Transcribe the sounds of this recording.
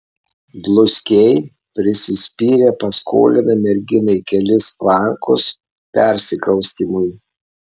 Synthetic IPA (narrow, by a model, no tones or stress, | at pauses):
blˠʊsʲkʲɛɪ | pʲɾʲɪsʲɪsʲpʲiːɾʲeːpɐskʰo̰ːlʲɪnɐmʲɛɾʲɡʲɪnɐɪkʲɛlʲɪsfɾɑˑŋkʊs | pʲɛɾʲsʲɪkɾɐʊsʲt̪ʲimʊɪ